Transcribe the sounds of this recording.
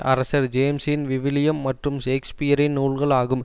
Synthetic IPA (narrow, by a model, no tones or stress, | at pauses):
ɐ̰ɾɐsɐɾd͡ʒeːmsɪnʋɪʋɪlɪjɐmːɐʈrɯmʃeːkspɪjɐɾɪnnuːɭɣɐɭaːɣɯm